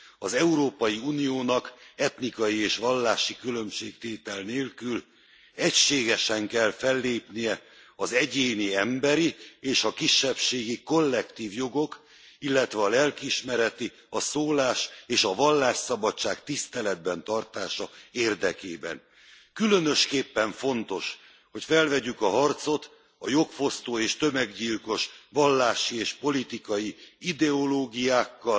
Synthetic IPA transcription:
ɒzɛuɾoːpɒjiuːnijoːnɒkɛt̪nikɒjieːʃʋɒlːaːʃikylø̞mʃeːkt̪eːt̪ɛlneːlkyl | ɛcʃeːɡɛʃɛŋkɛlfɛlːeːpnijɛɒzɛɟeːniɛmbɛɾieːʃɒkiʃːɛpʃeːɡiko̞lːɛkt̪iːvjo̞ɡo̞k | ilːɛt̪ʋɛɒlɛlkiʃmɛɾɛt̪i | ɒsoːlaːʃeːʃɒvɒlːaːʃsɒbɒt͡ʃːaːkt̪ist̪ɛlɛd̪̚bɛnt̪ɒrt̪aːʃɒeːrd̪ɛkḛːbɛ̰n | kylønø̞ʃkeːpːɛɱfo̞n̪t̪o̞ʃ | ho̞cfɛlvɛɟykɒɦɒrt̪so̞t̪ | ɒjo̞kfo̞st̪oːeːʃt̪ø̞mɛɡɟiːlko̞ʃʋɒlːaːʃieːʃpo̞lit̪ikɒjiid̪ɛo̞loːɡijaːkːɒ

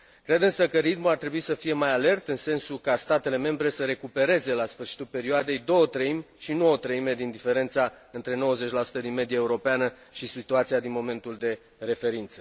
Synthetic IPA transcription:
kɾe̞d̪ɨnsəkəɾit̪muart̪ɾe̞buisəfije̞majale̞rt̪ɨnse̞nsukast̪at̪e̞le̞me̞mbɾe̞səɾe̞kupe̞ɾe̞ze̞lasfɨrʃi̥t̪ulpe̞ɾioad̪e̞jd̪o̞ət̪ɾəimʲ | ʃinuot̪ɾəime̞d̪ind̪ife̞ɾe̞nt̪sa | ɨnt̪ɾe̞no̞wəze̞t͡ʃʲlasu̥t̪əd̪inme̞d̪iaeuɾo̞peanə | ʃisit̪uat̪siad̪inmo̞me̞nt̪uld̪e̞ | ɾe̞fe̞ɾint̪sə̥

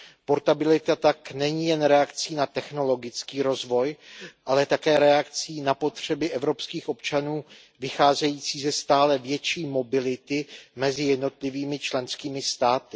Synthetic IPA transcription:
po̞ɾt̪abɪlɪt̪at̪aknɛɲiːjɛnɾɛakt͡siːnat̪ɛxno̞lo̞ɡɪt͡skiːɾo̞zvo̞jʔalɛt̪akɛːɾɛakt͡siːnapo̞t̪r̝̥ɛbɪʔɛvɾo̞pskiːxʔo̞pt͡ʃanuː | vɪxaːzɛjiːt͡siːzɛst̪aːlɛvjɛt͡ʃiːmo̞bɪlɪt̪ɪmɛzɪjɛdno̞t̪lɪviːmɪt͡ʃlɛnskiːmɪst̪aːt̪ɪ̥

